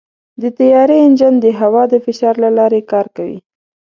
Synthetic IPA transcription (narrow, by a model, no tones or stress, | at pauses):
d̪ət̪ajɑɾeɪnd͡ʒand̪əɦawɑd̪əfɪʃɑɾlalɑɾekɑɾkawḭ